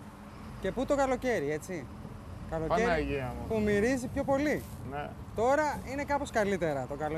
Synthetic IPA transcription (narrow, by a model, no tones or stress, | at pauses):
ce̞put̪o̞kɐlo̞ce̞ɾie̞t͡si | kɐloɐeʝiɐmupumiɾizipço̞po̞linet̪o̞ɾɐine̞kɐpo̞skɐlit̪e̞ɾɐt̪o̞kɐlo